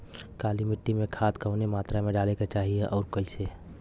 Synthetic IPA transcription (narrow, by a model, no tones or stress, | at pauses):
kalimiʈːimẽkʰaːt̪kəɦʊnemaːt̪ɾamẽɖaːleket͡ʃaːɦieʔɔːɾkəɪse